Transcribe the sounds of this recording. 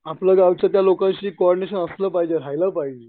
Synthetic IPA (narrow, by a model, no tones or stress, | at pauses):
apləːɡaʋt͡ɕjat̪jalokãɕiːkːoɔɾɖineɕ̬ənəsləpaɦid͡ʑeɾajləpaɦid͡ʑe